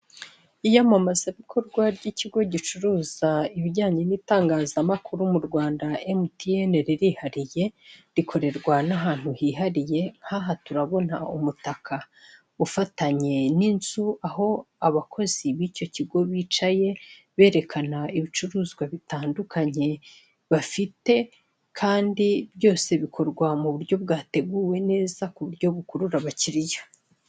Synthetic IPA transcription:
ijamamazaβikʰo̞ɾɡwaɾɟiciɡo̞ɟit͡ʃuɾuːzaiβiɟaːɲiniːtaːŋɡaːzamakʰuɾumuɾɡwaːndaemutijene̞ɾeɾihaɾije̞ɾikʰo̞ɾe̞ɾɡwanaɦaːn̥huhiːɦaɾije̞ŋ̥haɦatuɾaβo̞naumutakʰa | ufataɲe̞ninzuaho̞aβakʰo̞ziβiːco̞ciɡo̞βiːt͡ʃaje̞ | βe̞ːɾe̞kanaiβit͡ʃuɾuːzɡwaβitaːndukʰaɲe̞ | βafite̞ | kʰaːndibjo̞ːse̞βikʰo̞ɾɡwamuβuɾjo̞b̚ɡaːte̞ɡuwe̞ne̞ːzakuβuɾɟo̞βukuɾuɾaβaciɾijo

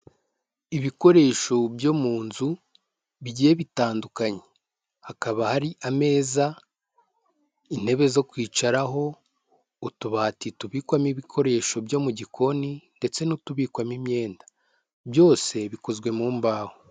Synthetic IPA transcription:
iβiko̞ɾe̞ːʃo̞bjo̞muːnzu | βiɟiːje̞βitaːndukaɲe | hakaβahaɾiʔame̞ːza | in̥he̞βe̞zo̞kwiːt͡ʃaɾaɦo̞ | utuβatituβiːkwamiβikʰo̞ɾe̞ːʃo̞bjo̞muɟikʰo̞ninde̞t͡se̞nutuβiːkwamimɲe̞ːndḁ | bjo̞ːse̞βiko̞zɡwe̞muːmbaːho

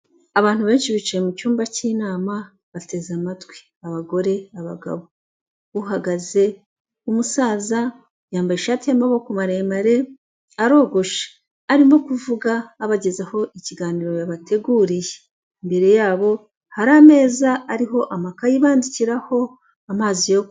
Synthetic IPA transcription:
aβaːnhuβe̞ːnʃiβit͡ʃejemucuːmbaciːnaːma | βate̞zamatwi̥ | aβaɡo̞ɾe̞aβa̰ɡa̰βo | uhaɡaze̞ | umusaːza | jaːmbajeʃatijamaβo̞kumaɾemaɾe̞ | aɾo̞ːɡo̞ʃḁː | ɾimo̞kuvuɡaːβaɟe̞zaho̞ʔiciɡaːniːɾo̞jaβate̞ɡuːɾije | imbe̞ɾe̞jaːβo̞ | haɾame̞ːzaːɾiɦo̞ʔamakajiβaːndiciɾaho̞ | amaːzijo

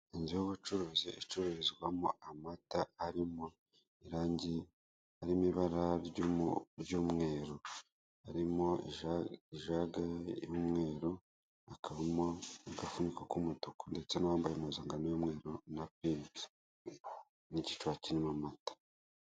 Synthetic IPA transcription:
inzijoβut͡ʃuɾoziʔit͡ʃuɾoɾizɡwamoʔamatahaɾimo | iɾaːɲɟe | haɾimiβaɾaɾɟɾɟuːmŋe̞ːɾo | haɾimo̞iiʒaɡajomŋe̞ːɾo | akaβamoaɡafunikakumutukonde̞t͡se̞nawaːmbajemozaːŋɡanojumŋe̞ːɾonapiːzi̥ | nici̥t͡ʃwacinimamatḁ

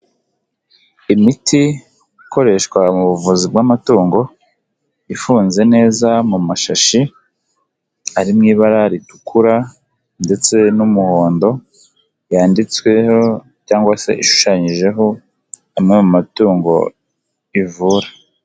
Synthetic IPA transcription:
imitʰi | ko̞ɾe̞ʃkwamuβuvuzibɡamatuːŋɡo̞ | ifuːnze̞ne̞ːzamumaʃaʃi | aɾimŋiːβaɾaɾitu̥kʰuɾa | nde̞t͡se̞numuho̞ːndo̞ | jaːndit͡swe̞ho | caːŋɡwase̞̰ʔiʃu̥ʃaɲiʒe̞ɦo̞ | amŋemumatuːŋɡo̞̰ | ivuːɾa

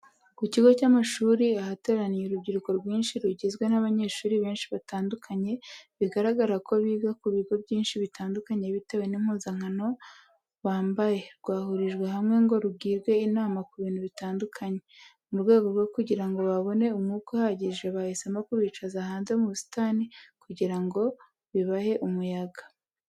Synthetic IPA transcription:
kuciɡo̞camaʃuːɾiahate̞ɾanijeɾubɟiɾuko̞ɾɡwiːnʃiɾuɟezɡwe̞naβaɲe̞ːʃuːɾiβe̞ːnʃiβataːndukʰaɲe̞βiɡaɾaɡaɾako̞βiːɡakuβiɡo̞bjiːnʃiβitaːndukaɲe̞βitawe̞nimhuːzaŋ̥ano̞ | βaːmbaje̞ɾɡwaːhuɾiʒɡwe̞hamŋe̞ŋɡo̞ɾubɡiːɾɡwe̞inaːmakuβiːn̥huβitaːndukʰaɲe̞ | muɾɡwe̞ːɡo̞ɾɡo̞kuɟiɾaŋɡo̞βaβo̞ne̞umŋuːkohaɟiʒɡeβahisemakuβiːt͡ʃazahaːnze̞muβusi̥tanikuɟiɾaŋɡo̞ | βiβahe̞ʔumujaɡḁ

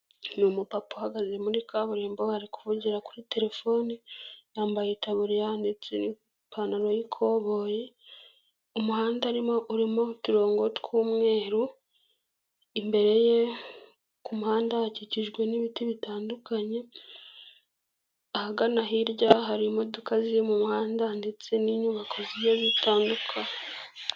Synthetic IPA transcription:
numupapohaɡazemuɾikaβuɾeːmbohaɾiku̥vuɟiɾakuɾite̞ɾe̞fo̞ːnijaːmbajetaβuɾijaːndit͡sini | pʰanaɾo̞jikʰo̞ːβo̞ːje | umuhaːndaɾimoʔuɾimotiɾo̞ːŋɡo̞tkʰuːmŋe̞ːɾu | imbe̞ɾe̞je̞ | kumuhaːndaaciciʒɡwe̞niβitiβitaːndukaɲe̞ | ahaɡanaɦiɾɟaɦaɾimodukazijemumuhaːndandet͡seniɲuβakʰo̞zijeβitʰaːndukʰaɲe

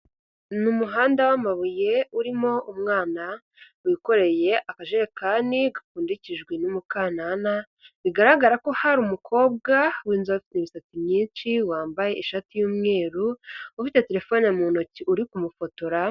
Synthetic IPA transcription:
numuɦaːndawamaβuje̞uɾimo̞ʔumŋaːna | wiko̞ɾe̞je̞ʔakaʒeɾekaːniɡakuːndiciʒɡwinumukanana | βiɡaɾaɡaɾako̞haɾumukʰo̞ːb̚ɡawiːnzaufi̥teβisat͡simɲiːnʃiwaːmbaje̞iʃatijuːmŋe̞ːɾuufite̞te̞ɾe̞fo̞ːnamunociʔuɾikumufo̞to̞ɾa

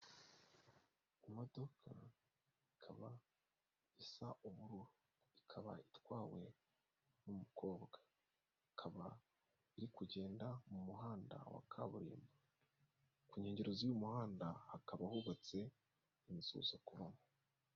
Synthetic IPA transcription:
imo̞do̞kʰa̰ | ikʰaβa | isaʔuβuɾuɾu | ikʰaβa̰itwaːwe̞ | numukʰo̞ːbɡa | ikʰaβa | iɾikuɟe̞ːndamumuɦaːnda̰wa̰kʰaβuɾḭːmba | kuɲe̞ːɲɟe̞ɾozijumuhaːndahakaβahuβat͡se̞ | inzṵːz̥okuβamo

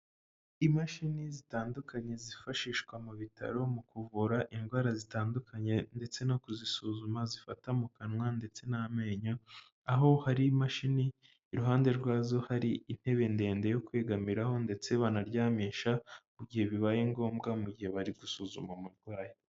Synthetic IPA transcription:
imaʃinizitaːndukʰaɲe̞zifaʃiːʃkwamuβitʰa̰ɾo̞mukuvuɾaʔinɡwaːɾazitaːndukʰaɲe̞nde̞t͡se̞nakuzisuːzumazifatamukanŋwande̞t͡se̞name̞ːɲo | aɦo̞haɾimaʃiniː | ɾuɦaːnde̞ɾɡwaːzo̞haɾiːn̥he̞βe̞nde̞ːnde̞jo̞kwe̞ːɡamiɾaho̞nde̞t͡se̞βaːnaɾɟaːmeːʃamuɟihe̞βiβajeŋɡo̞ːmɡamuɡɟihe̞βaɾiɡusuːzṵmamuɾɡwaːje

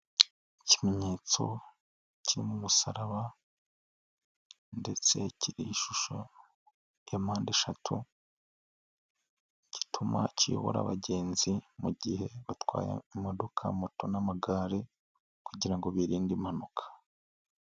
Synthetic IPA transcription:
icime̞ɲe̞ːt͡so̞̰ | ciɾimumusaɾaβa | nde̞t͡se̞ciɾiːʃuʃo̰ | jamaːndeʃatʰu | ci̥tʰuma̰cijo̰βo̰ɾa̰βa̰ɟe̞ːnzimuɟihe̞βatwa̰ːja̰imodokʰa̰moto̞namaɡaːɾe | kuɟiɾaŋɡo̞βiɾiːndimanokʰḁ

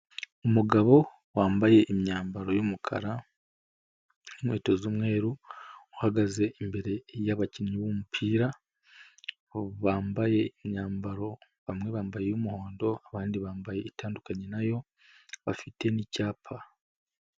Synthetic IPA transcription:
umuɡaβo̞ | waːmbaje̞ʔimɲaːmbaɾo̞jumukʰa̰ɾa | imwḛːtozumŋe̞ːɾuuhaɡaze̞ʔimbe̞ɾe̞jaβaciɲɲiβumupʰiːɾa | βaːmbaje̞imɲaːmbaɾo̞ | βamŋe̞βaːmbaje̞jumuho̞ːndo̞aβaːndiβaːmbaje̞itaːndukaɲenajo̞ | βafitʰe̞nicaːpʰa

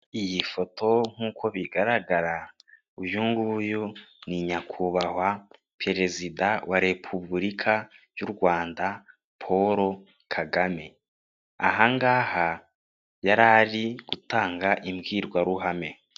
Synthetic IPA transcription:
ijifotʰo̞ŋ̥uːkʰo̞βiɡaɾaɡaɾa | ujuŋɡujuniɲakʰuβahwa | pɾe̞ɾe̞zidawaɾe̞pʰubɾikʰa | juɾɡwaːnda | pʰoɾo | kʰaɡame̞ | aɦaŋɡaːha | jaɾaɾiɡ̥utaːŋɡaʔimɡiːɾɡwaɾuɦame̞

